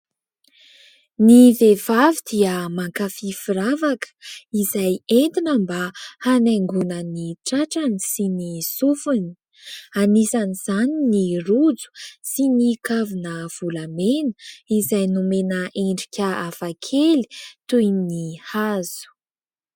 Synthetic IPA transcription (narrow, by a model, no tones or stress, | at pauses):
nivevavid̪iəmaŋkafifiɾavakə̥izajent̪inəmbahanaŋɡunəniʈ͡ʂaʈ͡ʂanisinisufuni̥ | anisaniz̥aninirud͡zu̥sinikavinəv̥ulamenə̥izajnumenəʔeɳɖ͡ʐikʲəafakʰeli̥t̪ujnihazu̥